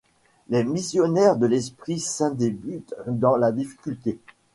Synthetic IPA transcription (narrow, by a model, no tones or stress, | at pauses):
lemisjɔnɛʁd̪əlɛspχisɛ̃d̪ebyt̪d̪ɑ̃lad̪ifi̥kʲylt̪e